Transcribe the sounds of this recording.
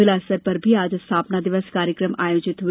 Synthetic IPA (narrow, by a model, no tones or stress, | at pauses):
ɪlaːsəɾpɐɾbʱiaːd͡ʒst̪ʰaːpnad̪ɪʋəskaːɾjəkɾəmaːjoːd͡ʒɪt̪ʋ